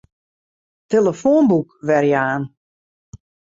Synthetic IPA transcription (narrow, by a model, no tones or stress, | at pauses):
teləfoːnbukʋɛrjaːn